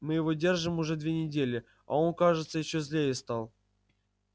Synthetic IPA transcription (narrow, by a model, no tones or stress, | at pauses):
mɨjɪvodʲe̞rʐɨmʊʐɛd̪vʲenʲɪdʲelʲɪ | a̰o̞nkaʐɨt̪səjɪɕːozlʲejɪst̪ɑlˠ